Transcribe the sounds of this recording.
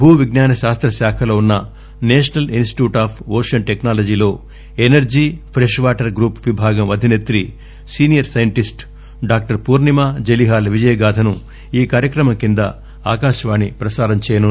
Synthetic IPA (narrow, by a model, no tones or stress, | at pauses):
bʱuːʋiɡnaːnɐʃaːst̪ɾɐʃaːkʰɐloːunːɐ | neːʃɐnɐlinsʈi̥ʈjuːʈaːpʰoːʂɐnʈeknaːlɐd͡ʒiːlo̞ː | enɐɾd͡ʒiːpʰɾeʂʋaːʈɐɾɡɾuːpʋibʱaːɡɐmɐd̪ʱinet̪ɾi | siːnijɐɾsɐjɐɳʈisʈ | ɖaːk̚ʈɐɾpuːɾnimaːd͡ʒeliɦaːlʋid͡ʒɐjɐɡaːt̪ʰɐnu | iːkaːɾjɐkɾɐmɐŋkind̪ɐ̰ | aːkaːʃɐʋaːɳipɾɐsaːɾɐmt͡ʃɛːjɐnu